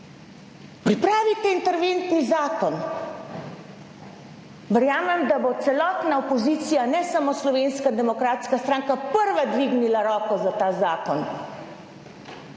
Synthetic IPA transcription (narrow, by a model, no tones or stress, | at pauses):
pɾipɾaːʋit̪ɛint̪ɛɾʋent̪nizaːkɔn | ʋɛɾjaːmɛmd̪abot̪sɛlɔːt̪naɔpɔziːt̪sijanɛsamoslɔʋenskad̪ɛmɔkɾaːt̪skast̪ɾaːŋkapəɾʋad̪ʋiːɡnilaɾɔːkɔzat̪aːzaːkɔn